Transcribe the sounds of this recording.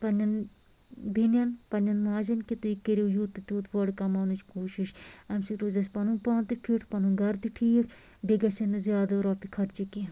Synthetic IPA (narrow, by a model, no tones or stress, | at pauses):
pɐnʲːɐn | bʱinɐnpɐnʲɐnmaːd͡ʒɐnkit̪uikeɾijut̪ːɨt̪uːt̪ʋɐɽkɐmaːnut͡ʃkoːʃiʃɐmsiɾoːzɐspɐnũːpaːnt̪ipʰiʈʰpɐnũɡɐɾd̪iʈʰiːk | ɖiɡɐsinzjaːd̪ɐɾoːpikʰɐɾt͡ʃiki